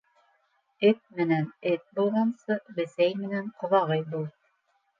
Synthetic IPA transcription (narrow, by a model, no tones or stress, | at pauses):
ɘt̪̚mɘ̆nænɘt̪̚bulˠʁɑnsɤbɘ̆sæjmɘ̆næɴqŏðɑʁɤjbulˠ